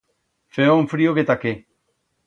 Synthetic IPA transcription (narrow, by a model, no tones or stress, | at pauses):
feoɱfɾioket̪ake